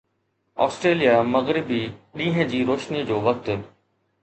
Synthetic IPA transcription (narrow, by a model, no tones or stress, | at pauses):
ɔ̰ːsʈɾeːlijamɐɣɾɪbiɗĩːɦə̃̆d͡ʑiːɾoːʃnid͡ʑoːʋɐk̚t̪